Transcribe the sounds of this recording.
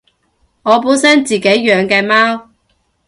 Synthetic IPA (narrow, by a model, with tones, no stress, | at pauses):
ŋɔː˨˧puː˨˥nsɐ˥nt͡siː˨˩ke˨˥jːœː˨˧ŋkɛː˧maː˥w